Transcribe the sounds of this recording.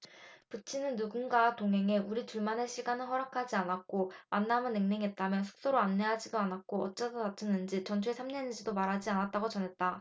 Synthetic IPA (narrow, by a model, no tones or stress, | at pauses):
pɯt͡ɕʰinɯnːuɡunɡatoŋɦe̞ŋe̞uɾit͡ɕuɭmaneɕʰiɡanɯɭɦʌɾakʰad͡ʑianak͈omanːamɯnːeŋneŋɦet̚t͈amjʌns̬ʰu̥k̚s͈oɾoanːe̞ɦad͡ʑidoanak̚k͈oʌt̚t͡ɕ͈adonat͡ɕʰinːɯnd͡ʑit͡ɕʌnt͡ɕʰwesʰamɲenɯd͡ʑidomaɾɦad͡ʑianat̚t͈aɡot͡ɕʌnɦe̞t̚t͈a